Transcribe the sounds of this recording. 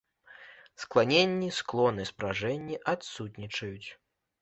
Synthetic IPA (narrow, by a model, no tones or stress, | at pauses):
sklˠanʲenʲːisklˠɔnɨspɾaʐɛnʲːiʔat̪sut̪ʲnʲit͡ʂɐjut͡sʲ